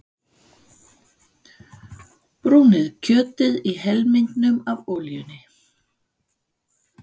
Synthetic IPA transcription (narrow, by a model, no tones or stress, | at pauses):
pɾuːnɪðcʰœːt̪ɪðiɦɛlmink̪nʏmavoːljʏnɪ